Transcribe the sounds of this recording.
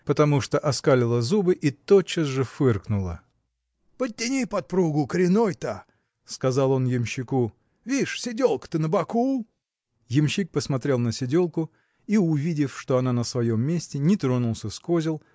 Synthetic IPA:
pət̪ɐmuʂt̪oʔɐskalʲɪlˠəzubɨʔit̪ot͡ɕːəsʐɨfɨrknʊlˠə̰ | pət̚ʲːɪnʲijpɐt̪̚pɾuɡʊkəɾʲɪnojt̪a | skɐzɑlˠo̞njɪmɕːɪku | vʲiʂsʲɪdʲolˠkə̥t̪ɨnəbɐku | jɪmɕik̚pəsmɐt̪ɾʲe̞lˠnəsʲɪdʲo̞lˠkʊ | iʊvʲidʲɪfʂt̪oɐnanəsvɐjo̞mːʲesʲtʲɪnʲɪt̪ɾonʊlˠsʲəskozʲɪlˠ

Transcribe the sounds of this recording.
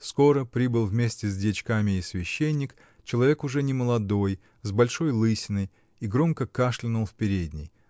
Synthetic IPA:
sko̞ɾəpɾʲibɨlˠvmʲesʲtʲɪzʲdʲɪt͡ɕkamʲɪːsvʲɪɕːenʲːɪk | t͡ɕɪlˠɐvʲe̞kʊʐɛnʲɪməlˠɐd̪o̞j | zbɐlʲʂo̞jlˠɨsʲɪnəj | iɡɾo̞mkəkaʂlʲɪnʊlˠfpʲɪɾʲedʲnʲɪ̰j

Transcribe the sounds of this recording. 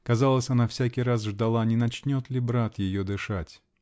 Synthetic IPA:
kɐzalˠəsʲɐnafsʲækʲɪjɾasʐd̪ɐlˠanʲɪnɐt͡ɕnʲo̞t̪lʲɪbɾat̪jɪjod̪ɨʂatʲ

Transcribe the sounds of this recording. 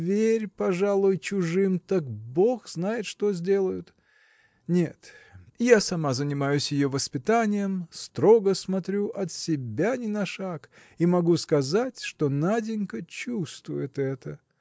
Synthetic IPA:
vʲeɾʲpɐʐalˠʊjt͡ɕʊʐɨmt̪akbo̞xznajɪt̪ʂt̪o̞zʲdʲe̞lˠəjʊt̪ | nʲe̞t̪jasɐmazənʲɪmajʊsʲjɪjovəspʲɪt̪anʲɪjəmst̪ɾo̞ɡəsmɐt̪ɾʲuʔɐt̪sʲɪbʲanʲɪnɐʂak | imɐɡuskɐzatʲʂt̪o̞nadʲɪnʲkət͡ɕust̪vʊjɪt̪ɛt̪ə

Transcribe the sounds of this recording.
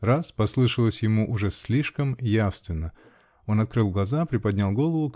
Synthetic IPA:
raspɐslˠɨʂəlˠəsʲjɪmuʔʊʐɛslʲiʂkəmjafst̪vʲɪnːə | o̞nɐt̪kɾɨlˠɡlˠɐzapɾʲɪpɐd̪ʲnʲalˠɡo̞lˠəvʊ

